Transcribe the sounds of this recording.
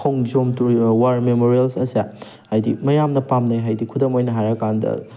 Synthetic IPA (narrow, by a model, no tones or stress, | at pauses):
kʰowŋd͡ʒomtuɾwaɾmemoɾielsɐsia | hajdimɐjamnɐpamnɐjɦajdikʰudɐmojnɐɦaɾɐkandɐ̰